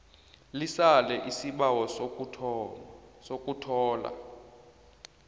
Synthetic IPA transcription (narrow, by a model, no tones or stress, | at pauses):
lisalɛʔisiɓawɔ | sokʼutʰɔːla̰